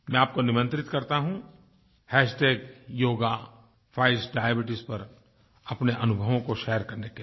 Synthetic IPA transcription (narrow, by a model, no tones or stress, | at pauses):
mɛ̃aːp̚konɪmə̃nt̪ɾɪt̪kɐɾt̪aɦũ | hɛːsʈeːkjoːɡa | fʰaːɪsɖaːjəbɪʈɪspɐɾ | ɐpneʔɐnʊbʱəʋõkoʃɛːəɾkɐɾneke